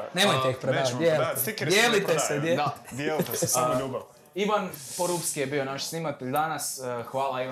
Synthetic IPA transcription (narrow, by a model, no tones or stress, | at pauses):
neːmoj̪eixpɾeajeliikd̪jelit̪esed̪jed̪ad̪jelit̪essamoʎuːba | iʋanpoɾupskijebionaʃsnimat̪eʎʲd̪anasxʋaːlai